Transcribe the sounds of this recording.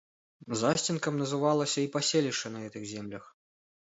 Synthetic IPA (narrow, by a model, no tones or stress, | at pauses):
zasʲt͡sʲinkɐmnɐzɨvalˠɐsʲɐipasʲelʲiʂɐnɐɣɛt̪ɨɣzʲɛmlʲɐx